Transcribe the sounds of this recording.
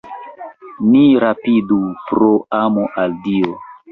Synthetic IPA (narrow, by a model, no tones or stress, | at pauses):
niɾapidupɾoamoʔaldio